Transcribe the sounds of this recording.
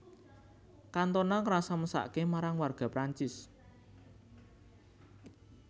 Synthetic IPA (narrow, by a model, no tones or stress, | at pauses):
kant̪ɔnɔŋəɾasaməsa̰ʔkemaɾaŋwarɡ̥ä̤pɾaɲt͡ʃɪs